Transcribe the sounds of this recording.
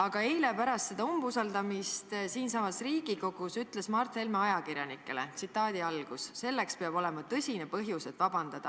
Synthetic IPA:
ɑɡ̥ɑe̞jle̞pæɾɑst̪se̞d̪ɑumbusɑld̪̥ɑmist̪siːnsɑmɑsriːɡ̥iko̞ɡ̥usyt̪ːˑle̞smɑrt̪ˑhe̞lme̞ɑjɑkirʲjɑnikːˑe̞let̪sit̪ːˑɑːd̪̥iɑlɡ̥usːe̞lːe̞kspeɑb̥o̞le̞mɑt̪ɤsʲine̞pɤɦjuse̞t̪ːˑvɑb̥ɑnd̪̥ɑd̪̥ɑ

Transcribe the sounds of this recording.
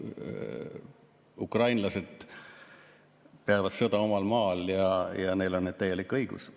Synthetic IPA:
ukrɑjnlɑse̞d̪̥ | peɑvɑt̪sɤd̪ɑo̞mɑlmɑːljɑjɑne̞jlo̞nːet̪̚æjːe̞likːˑɤjɡ̥ṵs

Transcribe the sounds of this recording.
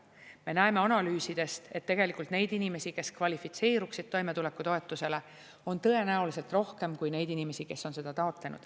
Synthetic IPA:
me̞næeme̞ɑnɑlyːsid̪̥e̞st̪e̞t̪ːe̞ɡ̥e̞likˑult̪ne̞jd̪inime̞sike̞skvɑlʲifit̪se̞ːɾuksid̪̥̚t̪o̞jme̞t̪ule̞kːˑut̪o̞e̞t̪ːˑuse̞le̞ | o̞nt̪ɤ̞e̞næulise̞lt̪ro̞hke̞mkujne̞jd̪̥inime̞sike̞sːo̞nse̞d̪ɑt̪ɑot̪le̞nṵd̪̥

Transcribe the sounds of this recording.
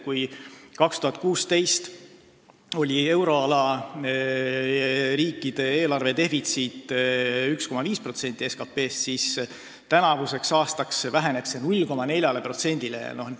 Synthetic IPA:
kujkɑkst̪uɦɑt̪̚ˑkuːst̪e̞jst̪ | o̞lʲie̞wɾo̞ɑlɑ | ɾiːkˑːid̪̥e̞eːlɑrve̞t̪e̞fit̪sit̪ːˑyksko̞mɑviːspro̞t̪se̞nʲt̪ʲːˑie̞skɑpːe̞ːst̪sis | t̪ænɑvuse̞ksɑːst̪ɑksvæɦe̞ne̞pse̞nulʲko̞mɑne̞lʲjɑle̞pro̞t̪se̞nʲd̪̥ilḛnoh

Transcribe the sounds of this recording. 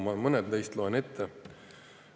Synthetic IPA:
mɑmɤned̪lejst̪loene̞t̪ʰːe

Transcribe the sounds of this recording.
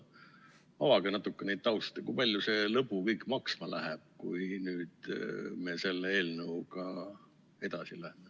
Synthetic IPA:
ɑwɑɡ̥ɑnɑt̪ːˑukːenejd̪̥̚t̪ɑwst̪t̪ekujpɑlʲjuse̞lɤpːukɤjkːˑmɑksmɑlʔæɦɛb̥̚kujnyːd̪̥me̞se̞lːeeːlnəukɑ | e̞d̪̥ɑsilæheme

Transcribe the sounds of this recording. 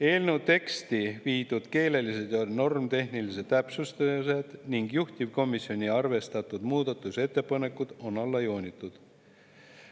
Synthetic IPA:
e̞ːlnew̪e̞kst̪iviːd̪̥ud̪̥ke̞ːle̞lise̞d̪̥jɑno̞rmt̪e̞ɦnilise̞d̪t̪ːæpsust̪ɑse̞d̪̥niŋɡjuht̪ʲib̥ko̞misːio̞nʲiɑrve̞st̪ɑt̪ːˑud̪̥muːd̪̥ɑt̪ːˑuse̞t̪ˑːe̞pɑne̞kːˑud̪̥o̞nɑlːɑjo̞ːnʲit̪ːˑud̪̥

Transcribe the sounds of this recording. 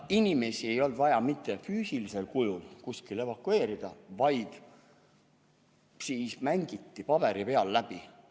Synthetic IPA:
inime̞sie̞jo̞ld̪̥vɑjɑmit̪ˑːe̞fyːsilise̞lkujulkuskile̞vɑkːˑue̞ːɾid̪̥ɑvɑjd̪̥ | siːsmæŋɡ̥it̪ːipɑb̥e̞ɾipe̞ɑlːæb̥i

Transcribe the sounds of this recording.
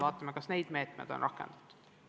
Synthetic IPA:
ɑːt̪ːˑɑmekɑsne̞jd̪me̞ːt̪mḛd̪̥onrɑkːḛnd̪̥ɑ̥t̪ːˑu̥

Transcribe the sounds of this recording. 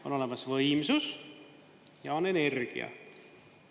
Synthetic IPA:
o̞no̞lemɑsvɤjmsus | jɑone̞ne̞rɡ̥ḭɑ̰

